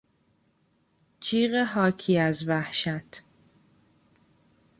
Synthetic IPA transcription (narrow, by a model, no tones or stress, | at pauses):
t͡ʃʰiːɣeɦɒːcʰiːæzvæhʃæt̪ʰ